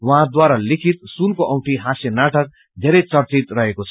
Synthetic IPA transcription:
wʌɦãd̪waɾalikʰit̪̚sunkoʔʌwʈiɦãsjʌnaʈʌk̚ | d̪ʱeɾʌjt͡sʌrt͡sit̪rʌɦekot͡sʰʌ

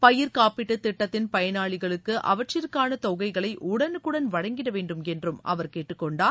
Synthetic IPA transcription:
pɐjɪɾkaːpɪʈːɯt̪ɪʈːɐt̪ːɪnpɐjɐnaːɭɪɣɐɭɯkːɯʔɐ̰ʋɐʈt͡ʃɪɾkːaːnɐt̪ɔɣɐɪɣɐɭɐɪʔʊɽɐnɯkːɯɽɐnʋɐɻɐŋɡɪɾɐʋeːɳɖɯmɛndrɯmɐ̰ʋɐɾkeːʈːɯkːɔɳɖaː

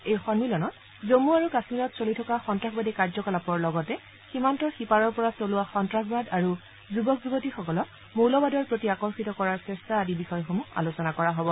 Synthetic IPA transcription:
ejxɔnmilɔnɔt | zomuaɹukasmilɔtsolitʰɔkaxɔntɹaxbadɛkaɹzɔkalapɔɹlɔɡɔtɛ | ximantɔxipaɹɔɹpɔɹasolʊwaxɔntɹaxbadaɹu | zubɔkzuɡotixɔkɔlɔk | mowlɔbadɔɹpɹotiakɔɹxitɔkɔɹaɹsɛstaːdibixɔjxomua̰losɔnakɔɹaɦobɔ

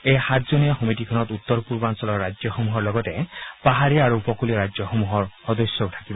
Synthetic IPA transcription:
ejhat̪d͡ʒɔnijaxumitikʰɔnɔt̪ut̪ːɔɾpuɾbansɔlɔɾad͡ʒjɔxomuɦɔɾlɔɡɔtepaɦaɾiaɾuupɔkuliɔɾad͡ʒjɔxomuɦɔɾxɔd̪ɔsjɔʈʰḁkibɔ

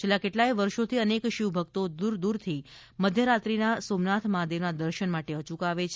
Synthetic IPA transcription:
t͡ʃʰelːakeʈlaiʋəɾʃot̪ʰiənekʃiʋbʱək̚t̪od̪uɾd̪uɾt̪ʰi | məd̪ʱjəɾat̪ɾinasomnat̪ʰmad̪ʱjenad̪əɾʃənmaʈeət͡ʃukaʋet͡ʃʰ

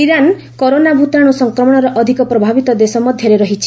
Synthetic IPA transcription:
iɾan | kɔɾonabʱut̪aɽ̃usɔŋkɾɔmɔɽ̃ɔɾɔʔɔd̪ʱikɔpɾɔbʱabit̪ɔd̪esɔmɔd̪ʱjɔɾeɾɔɦit͡ʃʰi̥

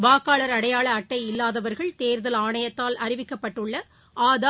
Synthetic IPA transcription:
ʋaːkːaːɭɐɾɐɽɐjaːɭɐːʈːɐɪɪlːaːðɐʋɐɾɣɐɭt̪eːɾðɐlaːɳɐjɐt̪ːaːlɐɾɪʋɪkːɐpːɐʈːɯɭːɐ | ʔaːða

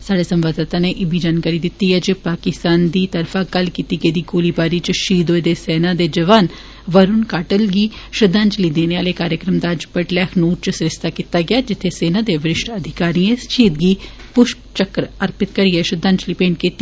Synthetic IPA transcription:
saːɖeːsə̃mʋaːd̪ət̪ãːneːʔɪbʱiːd͡ʒaːnkaːɾiːd̪ɪt̪ːiːɦɛːd͡ʒepaːkɪst̪aːnd̪iːt̪əɾfʰaːɡəlkiːt̪iːɡeːd̪iːɡoːliːbaːɾiːt͡ʃʃiːd̪oːed̪eːsɛːnãːd̪eːd͡ʒəʋaːn | ʋəɾʊnkaːʈəlɡiːʃəd̪ãːɲt͡ʃliːd̪eːneaːleːkaːɾjəkɾəmd̪aːd͡ʒpəʈlɛːkʰnuːɾt͡ʃsɾɪst̪aːkit̪aːɡɪaːd͡ʒɪt̪ʰːeːseːnãːd̪eːʋɪɾɪʃʈəd̪ʱɪkaːɾiːẽːʃiːd̪ɡiː | pʊʃpt͡ʃəkəɾəɾpɪt̪kəɾiːɛːʃəd̪ãːɲt͡ʃliːpẽːɳʈkiːt̪ːi

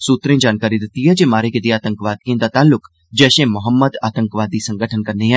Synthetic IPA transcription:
suːt̪ɾẽd͡ʒaːnkaːɾid̪ɪt̪ːiɦɛd͡ʒeːmaːɾeked̪iaːt̪ə̃ŋkʋaːd̪̚kẽːnd̪at̪aːlːʊk | d͡ʒɛːʃẽmʊɦəmːəd̪aːt̪ə̃ŋkʋaːd̪isə̃ŋɡəʈʰənkɐɾneɦɛ̃

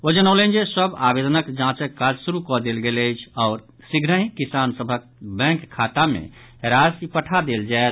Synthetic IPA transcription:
od͡ʒənələ̃nd͡ʒesəbabed̪ənəkd͡ʒãt͡ʃəkːad͡ʒsuɾukɔd̪elɡeləjt͡ʃʰɔːɾ | siɡɾəɦĩkisansəbʱək | bɛ̃kʰːat̪amḛ̃ | ɾasipəʈʰad̪eld͡ʒae

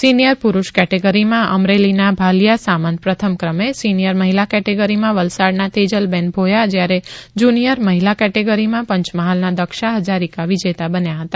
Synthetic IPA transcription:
sinijəɾpuɾuʃkɛʈeɡəɾimãʔəmɾelinabʱalijasamanpɾət̪ʰəmkɾəmesinijəɾməɦilakɛʈeɡəɾimãʋəlsaɽnat̪ed͡ʒəlbɛ̃nbʱojad͡ʒjaɾed͡ʒunijəɾməɦilakɛʈeɡəɾimãpəɲt͡ʃməɦalnad̪əkʃaɦəd͡ʒaɾikaʋid͡ʒet̪abənjaɦət̪a

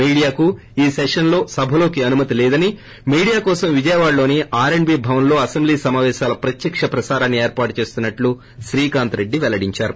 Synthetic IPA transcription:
iːɽijaːku | iːsekʂɐnlo̞ːsɐbʱɐlo̞ːkiɐnumɐt̪ilɛːd̪ɐni | miːɽijaːkɔːsɐmʋid͡ʒɐjɐʋaːɽlo̞ːniʔaːɾeɳbiːbʱɐʋɐnlo̞ːɐsembliːsɐmaːʋɛːʃaːlɐpɾɐt̪jɐkʂɐpɾɐsaːɾaːnːieːɾpaːʈut͡ʃe̞ːst̪unːɐʈlu | ʃɾiːkaːnt̪ɾe̞ɖːiʋɛlɐɽiɲt͡ʃaːɾu

